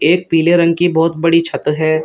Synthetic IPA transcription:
eːk̚piːleɾɐ̃ŋɡkibɔːt̪bɐɽit͡ʃʰɐt̪ɾɦɛː

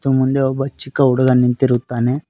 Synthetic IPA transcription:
t̪ːumund̪eɔbɐt͡ʃikːɐuɽɐɡɐnint̪iɾut̪ːaːne

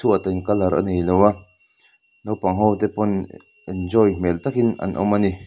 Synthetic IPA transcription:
tʰuʔat̪ankalaɾʔa̰nejlowa | nowpaŋɦɔwt̪ɛpɔn | ɛnd͡ʒɔjmɛlt̪akina̰nʔɔ̰mani

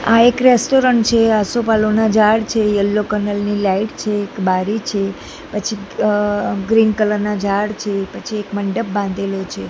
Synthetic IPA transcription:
a̰ekɾesʈoɾəɳʈt͡ʃʰeasopalonad͡ʒaɽt͡ʃʰejəlːokənəlnilaiʈt͡ʃʰeːkbaɾit͡ʃʰe | pət͡ʃʰi | ɡɾinkələɾnad͡ʒaɽt͡ʃʰepət͡ʃʰiekməɳɖəp̚bãnd̪ʱelot͡ʃʰe

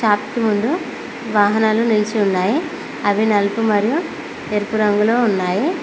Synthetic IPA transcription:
ʃaːp̪kimund̪u | ʋaːɦɐnaːlunilt͡ʃiunːaːji | ɐʋinɐlpumɐɾiju | eɾpuɾɐŋɡulo̞ːunːaːji

